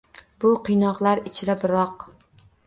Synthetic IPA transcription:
b̥ʊqʰɨjnɒqlˠaɾɪt͡ʃʰɪɾabɪɾɒq

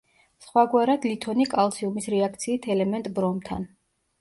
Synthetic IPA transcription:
sχwaɡwaɾad̪lit̪ʰɔnikʼalˠsiumisɾɛak̚ʰt̪sʰiːt̪ʰɛlɛmɛnt̪ʼbɾɔmt̪ʰa̰n

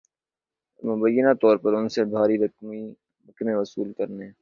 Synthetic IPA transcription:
mʊbəjːɪnat̪ɔːɾpɐɾʊnsebʱaːɾiɾɐkmi | ɾɐknẽʋɐsṵːlkɐɾne

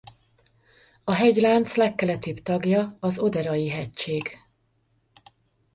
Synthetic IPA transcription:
ɒɦɛɟlaːnt̪slɛkːɛlɛt̪ibt̪ɒɡjɒɒzo̞d̪ɛɾɒjiɦɛct͡ʃeːɡ

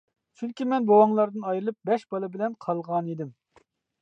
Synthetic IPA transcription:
t͡ʃʰyŋkʲimɛnbowɑŋlˠɑɾd̪ɨnɑjɾɨlˠɨp̚bɛʃb̥ɑlˠɨbɪlɛnqʰɑlˠʁɑnid̪ɪm

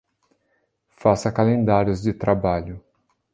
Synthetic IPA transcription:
fasɐkalẽnd̪aɾjʊzd͡ʒɪt̪ɾabaʎʊ

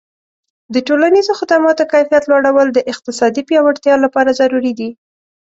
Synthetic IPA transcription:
d̪əʈolanizoxɪd̪amɑt̪okajfijat̪lwaɽawəld̪əʔɪq̚t̪ɪsɑd̪ipjɑwaɽt̪jɑlapɑɾazaɾuɾid̪i

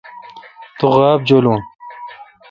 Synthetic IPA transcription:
t̪uɣaːb̚d͡ʑoːluːn

